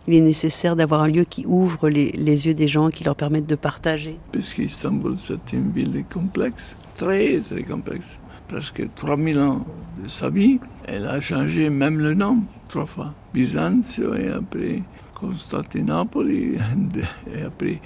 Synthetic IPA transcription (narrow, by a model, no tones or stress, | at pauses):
ilɛnesesɛʁd̪avwaʁɛ̃ljøkʲʰiʔuvʁəlelezjød̪eʒɑ̃kʲilœʁpɛʁmɛt̪̚d̪əpaʁt̪aʒepaskəist̪ɑ̃bulsat̪ynvilkɔ̃plɛks | t̪ɾɛt̪ɾɛ̰kɔ̃plɛ̰ks | pɾɛskə̰t̪ʁwamilɑ̃d̪əsa̰vi | ɛ̰la̰ʃɑ̃ʒemɛmlənɔ̃t̪ʁwafwabizansəḛa̰pɾɛ | kʰɔ̃st̪a̰t̪enapolid̪eapɾɛ